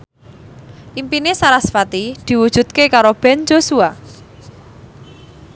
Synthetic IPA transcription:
ʔimpinesaɾasfat̪id̪̥i̤wud̥ʒ̥ṳd̪̚kekaɾob̥ɛ̤nd͡ʒosua

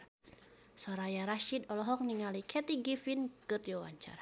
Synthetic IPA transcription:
sɔɾajaɾaʃid̪ɔlɔɦɔk̚niŋalikʰɛt̪iɡifinkɨt̪iwawa̰ɲt͡ʃa̰ɾa

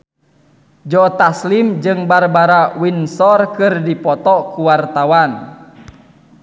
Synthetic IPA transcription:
d͡ʒɔt̪aslimd͡ʒɨŋbarbaɾawinsɔrkɨrdipɔt̪ɔkuwart̪awan

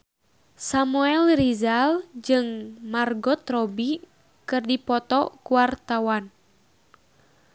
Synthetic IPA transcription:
samuɛlrizald͡ʒɨŋmarɡɔt̪rɔbi | kɨrdipɔt̪ɔkuwart̪awan

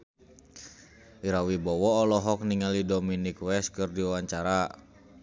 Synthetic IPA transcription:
iɾawibɔwɔːlɔɦɔkniŋalidominikwɛs̚kɨrdiawaɲt͡ʃaɾa

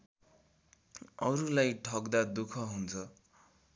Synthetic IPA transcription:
ʌɾulajʈʰʌkd̪ad̪ukʰʌɦunt͡sʰʌ

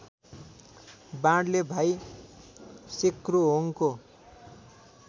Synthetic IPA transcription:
bãɽlebʱaj | sekroɦoŋko

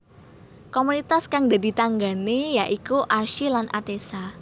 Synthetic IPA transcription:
komunit̪askaŋda̤di̤t̪aŋɡanejaʔikuʔarʃilanʔa̰t̪esa

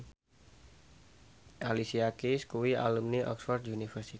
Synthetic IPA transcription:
ʔalisiakiskuwia̰lumniʔɔ̰ksfɔrd̪unifərsi

